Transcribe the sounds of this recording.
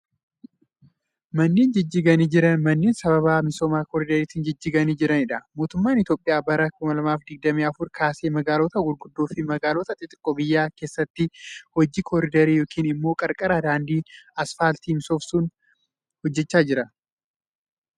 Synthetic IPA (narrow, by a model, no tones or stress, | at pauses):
mɐnːeːnd͡ʒɪd͡ʒːiːɡɐniːd͡ʒɪɾɐnmɐnːeːnsɐβɐβaːmɪso̞ːmaːkɔɾɪd̪ɐɾiːt̪ɪːnd͡ʒɪd͡ʒːiːɡɐniːd͡ʒɪɾɐnɪᶑɐmo̞ːt̪ʊmːaːnɪt̪oːpʼːɪjaːbɐɾɐkʊmɐlɐmaːfd̪ɪɡ̚d̪ɐmiːɐfʊɾkʰaːseːmɐɡaːloːt̪ɐɡʊlɡʊd̪ːoːfɪmɐɡaːloːt̪ɐt̪ʼɪt̪ʼɪ̥kʼːɔbɪjːaːke̞ːsːɐt̪ːɪhɔd͡ʒiːkʰɔɾɪd̪ɐɾiːjo̞ːkʰiːnɪmːo̞ːkʼɐɾkʼɐɾaːd̪aːnd̪iːɐsfaːlt̪iːmɪsoːfsuːn | hɔd͡ʒːɛt͡ʃːaːd͡ʒɪɾɐ